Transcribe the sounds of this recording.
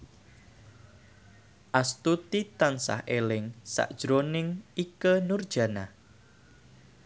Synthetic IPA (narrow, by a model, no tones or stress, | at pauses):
ʔast̪ut̪it̪ansa̰hʔelɪŋsa̰ʔd̥ʒ̥ɾonɪŋikənurd̥ʒ̥a̤nah